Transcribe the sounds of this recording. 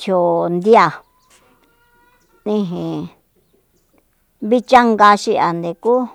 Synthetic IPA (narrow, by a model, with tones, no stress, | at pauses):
t̪ʰjo˨nd̪i˦a˧ | nĩ˧ɦĩ˨ | βi˦t͡ʃa˦ŋɡa˧ʃi˧a˨nd̪e˨ku˦